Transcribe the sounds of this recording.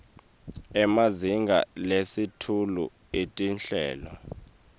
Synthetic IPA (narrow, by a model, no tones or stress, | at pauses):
ɛmaziŋɡʱa̰lesitʰulṵ | etʼinɬɛ̰ːlɔ